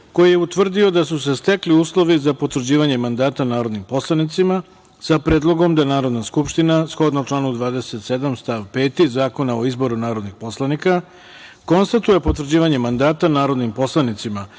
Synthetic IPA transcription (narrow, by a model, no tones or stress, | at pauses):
ko̞jije̞ut̪ʋr̩d̪io̞d̪asus̬e̞st̪e̞kliuːslˠo̞ʋizapo̞t̪vr̩d͡ʑiːʋaɲemand̪aːt̪anaːɾo̞d̪nimpo̞slˠanit̪sima | sapɾe̞ːd̪lˠo̞ɡo̞md̪anaːɾo̞d̪naskupʃt̪inasxo̞d̪nat͡ʃlˠaːnud̪ʋaːd̪e̞se̞t̪sed̪amst̪aʋpe̞ːt̪izaːko̞naoizbo̞ɾunaːɾo̞d̪nixpo̞slˠanika | ko̞nst̪at̪uje̞po̞t̪vr̩d͡ʑiːʋaɲe̞mand̪aːt̪anaːɾo̞d̪nimpo̞slˠanit̪sima